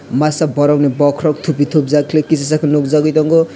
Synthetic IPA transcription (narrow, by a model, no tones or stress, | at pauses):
masabʌɾawnebɔkʰrɔk̚t̪ʰupit̪ʰop̚d͡zakʰlekisasakʰanokd͡zaɡujt̪ʌŋɡo